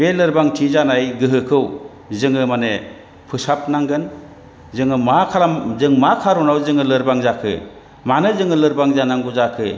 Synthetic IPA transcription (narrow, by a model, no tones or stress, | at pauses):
belɯɾbaŋtʰizanajɡɯɦɯkʰɯw | zɯŋɯmane | pʰɯsap̚naŋɡɯn | zɯŋɯmakʰalazɯŋmakʰaɾunawzɯŋɯlɯɾbaŋzakʰɯ̰ | manɯzɯŋɯlɯɾbaŋzanaŋɡuzakʰɯ̰